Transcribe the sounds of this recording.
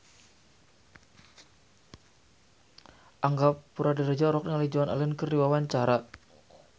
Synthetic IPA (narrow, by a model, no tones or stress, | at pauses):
ʔaŋɡappuɾadiɾad͡ʒaɾɔk̚diŋalid͡ʒuana̰lɛnkəriwawaɲt͡ʃaɾa